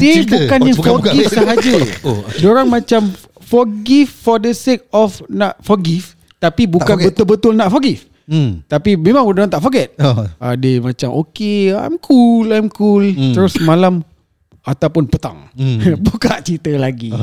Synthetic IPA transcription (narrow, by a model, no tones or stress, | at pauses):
sibukanafɔɡifsaɦad͡ʒədoɾaŋmãt͡ʃam | fɔɡiffɔdəsek̚ɔfnaʔfɔɡif | t̪apibukanbət̪ʊlbət̪ʊlnaʔfɔɡif | t̪apimẽmãŋwdoɾaŋt̪aʔfɔɡɛt̪̚a̰dəmãt͡ʃamʔokea̰jmkʰulajmkult̪əɾʊsmãlam | at̪awpʊnpət̪a̰ŋbukaʔt͡ʃit̪əlaɡi